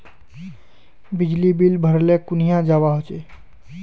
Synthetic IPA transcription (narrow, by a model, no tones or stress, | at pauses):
bɪd͡ʒlibilbʱəɾlẽkʊnijãd͡ʒaʋaɦot͡ʃe